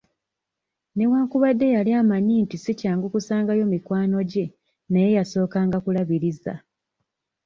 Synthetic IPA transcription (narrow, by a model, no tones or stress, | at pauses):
ne̞waːŋkuβadːe̞jaliaːmaɲiːntisicaːŋɡukusaːŋɡajo̞mikwaːno̞ɟe̞ | naje̞jaso̞ːkaːŋɡakulaβiɾiza̰